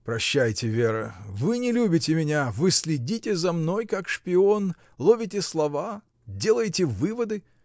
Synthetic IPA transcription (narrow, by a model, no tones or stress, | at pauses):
pɾɐɕːæjtʲɪvʲe̞ɾəvɨnʲɪlʲubʲɪtʲɪmʲɪnʲavɨsʲlʲɪdʲitʲɪzɐmno̞jkakʂpʲɪo̞n | lˠovʲɪtʲɪslˠɐva | dʲe̞lˠəjtʲɪvɨvəd̪ɨ